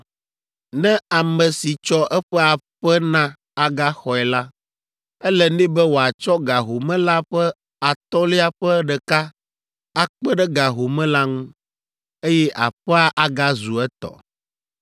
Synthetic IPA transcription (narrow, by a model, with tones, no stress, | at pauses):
nɛ̃˦a˨mɛ̃˨si˨t͡ʃɔ˦ʔɛ˦ɸɛ˦a˨ɸɛ˦nã˦ | a˨ɡa˦xɔ˨ɛ˨la˦ | ɛ˦lɛ˦nɛ̃˦bɛ˦wo˨a˨t͡ʃɔ˦ɡa˨ɦo˨mɛ̃˦la˦ɸɛ˦ | a˨t̪ɔ˦li˦a˨ɸɛ˦ɖɛ˨ka˦ | a˨k͡pɛ˦ɖɛ˦ɡa˨ɦo˨mɛ̃˦la˦ŋũ˦ | e˦jɛ˦ʔa̰˨ɸɛ˦a˦ʔa˦ɡa˦zu˨ɛ˦t̪ɔ̰˨